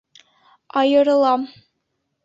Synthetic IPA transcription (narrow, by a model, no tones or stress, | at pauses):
ɒjɤ̆ɾɤ̆lˠɑm